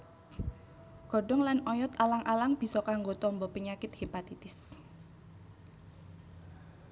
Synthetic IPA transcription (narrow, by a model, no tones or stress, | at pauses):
ɡ̥ɔ̤ɖɔ̤ŋlanɔjɔt̪alaŋʔalaŋb̥i̤sɔkaŋɡot̪ɔmbɔpiɲakɪt̪̚hepat̪it̪ɪs